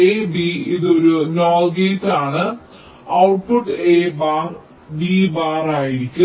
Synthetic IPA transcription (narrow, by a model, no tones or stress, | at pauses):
eːbiiðo̞ɾunoːlɡeːt̪ːaːɳɨ | ɐwʈ̚puʈːeːbaːr | ɖibaːraːjiɾikʲːu